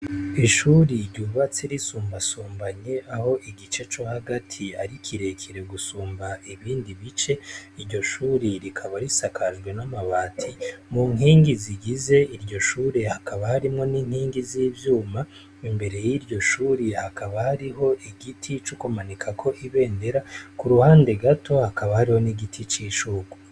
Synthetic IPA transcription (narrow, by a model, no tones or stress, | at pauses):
iʃuɾiɾɟuːβat͡seɾisuːmbasuːmbaɲe̞ʔaho̞ʔiɡit͡ʃe̞t͡ʃo̞haɡatʰiaɾikʰiɾe̞kʰiɾe̞ɡusuːmbaiβiːndiβit͡ʃe̞iɾɟo̞ʃuːɾiɾikʰaβaɾisakʰaʒɡwe̞namaβaːtʰimuŋɦiːŋɡiziɡize̞iɾɟo̞ʃuːɾehakaβahaɾimŋo̞niːŋhiːŋɡiziːvjuːma | imbe̞ɾe̞jiɾɟo̞ʃuːɾihakaβahaɾiɦo̞ʔiɡitʰit͡ʃukumanikʰakʰo̞ʔiβe̞ːnde̞ɾakuɾuhaːnde̞ɡatʰo̞hakaβahaɾiho̞niɡitʰit͡ʃiːʃuɡu